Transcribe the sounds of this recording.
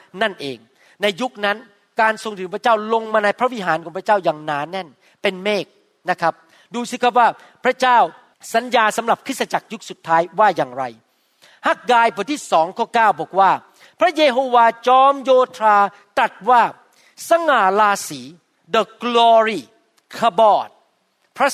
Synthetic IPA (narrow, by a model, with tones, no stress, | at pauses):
na˥˩nʔeː˧ŋ | na˧jːu˦˥k̚na˦˥n | kaː˧nso˧ŋt̪ʰɯ˨˩˦ŋpʰɾa˥t͡ɕaː˥˩wlo˧ŋmaː˧na˧jpʰɾa˥wi˦˥ɦaː˩˦nkɔː˩˦pʰɾa˥t͡ɕaː˥˩wjaː˨˩ŋnaː˩˦nɛ˥˩n | pe˧nmeː˥˩k̚ | na˦˥kʰa˦˥p̚ | duː˧si˧˥˩kʰa˦˥p̬̚waː˥˩ | pʰɾa˦˥t͡ɕaː˥˩w | sa˨˦njaː˧sa˨˩˦mɾa˨˩p̚kʰɯ˥t̪̚sa˧t͡ɕa˨˩k̚ju˦˥k̚su˨˩t̪ʰːaː˦˥jwaː˥˩jaː˨˩ŋɾa˧j | ha˦˥˩k̚ɡaː˧jpʰu˨˩˦t̪ʰiː˥˩sɔː˩˦ŋkʰɔː˥˩kaː˥˩wbɔː˨˩k̚waː˥˩ | pʰɾa˦˥jeː˧ɦoː˧waː˧t͡ɕɔː˦˥mjoː˧t̪ʰɾaː˧ | t̪ɾa˨˩t̪̚waː˥˩ | sa˧ŋaː˨˩laː˧siː˩˦ | də˨˩klɔː˧ɾiː˩ | kʰa˧bɔː˧˩t̪̚ | pʰɾa˦˥